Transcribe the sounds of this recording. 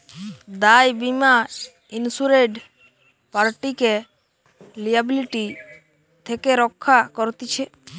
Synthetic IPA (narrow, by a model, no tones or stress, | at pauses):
d̪ajbima | insuɾeɖ | paɾʈike | lijabiliʈi | t̪ʰekeɾɔkʰːakɔɾt̪it͡ʃʰɛ